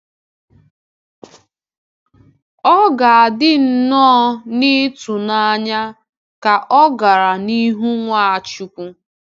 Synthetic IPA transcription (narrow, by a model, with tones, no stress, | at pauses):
ɔ˦ɡa˨a˨dɪ˦n̩˦˨˦nɔː˦nɪ˦tu˨na˦ɲa˦ | ka˨ʔɔ˦ɡa˨ɾa˨ni˦ɦu˦ŋʷa˦a˨t͡ʃu˦kʷu˦